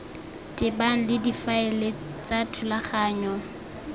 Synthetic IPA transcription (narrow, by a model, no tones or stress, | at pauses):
tʼɪbaŋ̩lɪdifaɛle | t͡sʼatʰʊlaχaːɲɔ